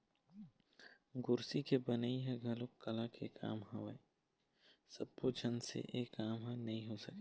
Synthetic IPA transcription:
ɡʊɾsikebɐnaiɦɛ̃ɡɐlokkːɐlakʰeka̰ːmɦɐ̃ʋe | sɐb̚pod͡ʒʱɐnsḛʔeːkːaːmɦãnɐɦĩɦosəke

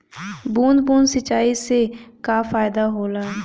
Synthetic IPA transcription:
buːnd̪bũːnd̪sət͡ʃaːisekafaːɪd̪aɦoːlaː

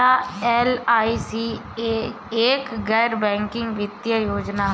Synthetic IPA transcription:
aːɛːlaːisiː | eːkɡɛːɾbɛ̃ːŋkɪ̃ŋɡʋɪt̪jajoːd͡ʒnaː

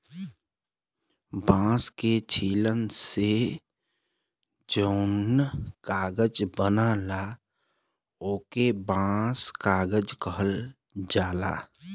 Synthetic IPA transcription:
bãːsket͡ʃʰiːlənse | d͡ʒəʊnkaːɡəd͡ʒbənala | oːkebãːskaːɡəd͡ʒkəɦəl | d͡ʒaːla̰ː

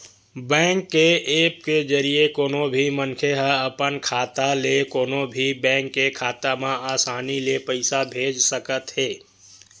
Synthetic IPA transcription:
bɛ̃ːŋkːeeːp̚ked͡ʒəɾijekoːnobʱimənkʰeɦəəpənkʰaːt̪alekoːnobʱibɛ̃ːŋkːekʰaːt̪amãaːsaːnilepəɪsabʱeːd͡ʒsəkət̪ɦeː

